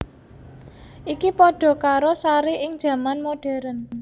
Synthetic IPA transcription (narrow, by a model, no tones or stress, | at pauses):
ʔikipɔɖ̥ɔ̤kaɾosaɾeʔɪŋd̥ʒ̥ä̤manmoɖ̥ɛ̤ɾən